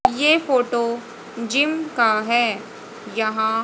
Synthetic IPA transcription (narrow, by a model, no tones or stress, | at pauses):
jeːfoːʈoː | d͡ʒɪmkaɦɛː | jɐɦã